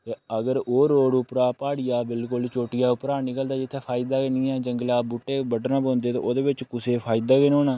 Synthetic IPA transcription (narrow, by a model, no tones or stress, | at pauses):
t̪eːəɡəɾoːɾoːɽʊpɾaːpaːɽɪjaːbɪlkʊlt͡ʃoːʈɪjaːʊpəɾaːniːkəld̪aːd͡ʒɪt̪ʰːeːpʰaːɪd̪aːkenĩːɛːd͡ʒəŋɡlaːbʊʈːeːbəɖnãːbõːnd̪eːt̪õ̰ʔoːd̪eːʋɪt͡ʃkʊseːpʰaːɪd̪aːkenoːnãː